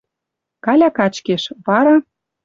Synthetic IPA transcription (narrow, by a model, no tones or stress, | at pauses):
kɑlʲɑkɑt͡ɕkeʃvɑɾɑ